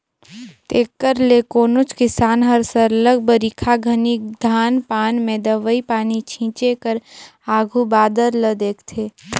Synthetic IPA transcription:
t̪eːkːəɾlekoːnʊt͡ʃkɪsaːnɦəɾsəɾləɡbəɾikʰaɡʱənikd̪ʱaːnpaːnmẽːd̪əʋəipaːnit͡ʃʰĩːt͡ʃekəɾaːɡʱubaːd̪əɾləd̪eːkʰt̪ʰeː

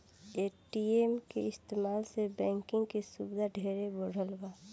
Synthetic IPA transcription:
eːʈiemkḛɪst̪eːmaːlsebɛ̃ːŋkɪ̃ŋɡkesubd̪ʱaɖʱeːɾeboɽ̤ʱəlbaː

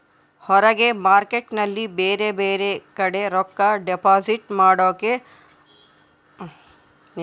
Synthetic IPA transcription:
hɔɾɐɡemaːɾkeʈnɐlːibeːɾebeːɾekɐɽeɾɔkːaɖepaːziʈmaːɽoːke

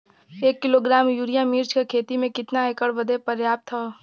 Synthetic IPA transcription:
eːkːɪloɡɾaːmjuːɾijamiːɾt͡ʃkekʰeːt̪imẽkɪt̪naekəɽbəd̪ʱepɐɾjaːp̚t̪ʰo

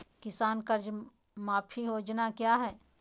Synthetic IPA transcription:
kɪsaːnkəɾd͡ʒ | maːpʰiɦoːd͡ʒnakjaːɦɛː

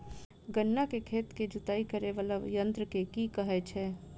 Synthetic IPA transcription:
ɡənːakekʰeːt̪ked͡ʒʊt̪aːikəɾeʋələʋjə̃nt̪ɾəkekikəɦɛt͡ʃʰɛː

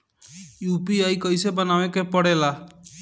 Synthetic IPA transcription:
juːpiajkəisebənaʋẽkepəɽeːlaː

